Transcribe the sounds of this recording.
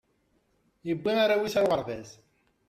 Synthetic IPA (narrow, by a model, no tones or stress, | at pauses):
jəbːiaɾawisaɾʁəɾðæs